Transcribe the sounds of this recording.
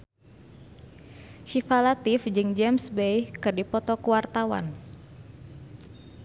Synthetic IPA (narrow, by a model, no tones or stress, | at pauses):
ʃifalat̪ifd͡ʒɨŋd͡ʒɛmsbejkɨrdipɔt̪ɔkuwart̪awa̰n